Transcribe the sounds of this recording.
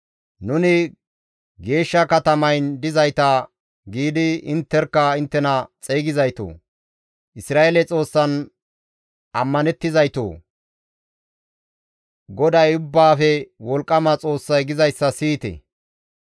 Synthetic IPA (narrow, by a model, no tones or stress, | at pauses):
nʊnɪ | ɡe̞ːʃːɐkɐt̪ɐmɐjnd̪ɪzɐjt̪ɐ | ɡiːd̪ɪɪnt̪ːɛɾkːɐɪnt̪ːɛnɐt͡sʼeːɡɪzɐjt̪o̰ː | ʔɪsɾaːelɛt͡sʼo̞ːsːɐn | ʔɐmːɐnɛt̪ːɪzɐjt̪o̰ː | ɡɔd̪ɐjʊbːaːfɛwɔlkʼːɐmɐt͡sʼo̞ːsːɐjɡɪzɐjsːɐsiːt̪ɛ̰